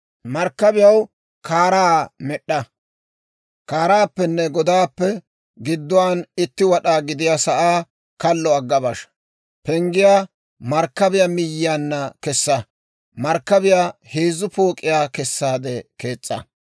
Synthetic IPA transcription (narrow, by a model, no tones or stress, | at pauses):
mɐɾkːɐbɪjɐw | kaːɾaːmɛɗːɐ | kaːɾaːpːɛnːɛɡɔd̪aːpːɛ | ɡɪd̪ːɔwaːnɪt̪ːɪwɐɗaːɡɪd̪ɪjasɐʔaː | kɐlːɔɐɡːɐbɐʃ | pɛŋɡɪjaː | mɐɾkːɐbɪjamɪjːɪjaːnːɐkɛsːɐ | mɐɾkːɐbɪjaheːzːʊpoːkʼːɪjaːkɛsːaːd̪ɛke̞ːt͡sʼːɐ̰